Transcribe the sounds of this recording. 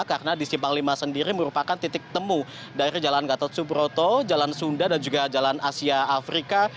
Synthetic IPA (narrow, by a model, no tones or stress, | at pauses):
karənadisipaŋlimasəndiɾiməɾupakant̪it̪ɪk̚t̪əmu | daiɾid͡ʒalanɡat̪ɔt̪subɾot̪ɔd͡ʒalansundadand͡ʒuɡad͡ʒalanasiaːfɾika